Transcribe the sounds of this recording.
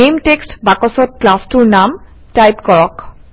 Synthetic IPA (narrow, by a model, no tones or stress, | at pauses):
emtekstbakɔsɔt̚klastuɹnam | tajpkɔɹɔk